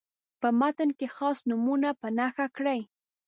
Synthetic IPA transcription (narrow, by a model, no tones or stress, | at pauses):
pəmat̪ənkexɑsnʊmunapənaxakɽəj